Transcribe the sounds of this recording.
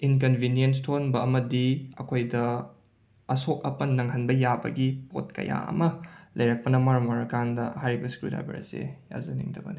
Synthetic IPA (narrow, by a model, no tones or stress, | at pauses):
ink̬ɐnbʱinjens̬tʰonbɐɐmɐdiɐkʰojdɐ | ɐsok̚ɐpɐnːɐŋɦɐnbɐjabɐ̰ɡipo̰t̚kɐ̰ja̰ʔɐ̰mɐlɐjɾɐk̚pɐnɐmaɾmɐɾɐkandɐhajɾibɐskɾuda̰bḛɾɐ̰sḛja̰zɐnḭŋdʰɐbɐni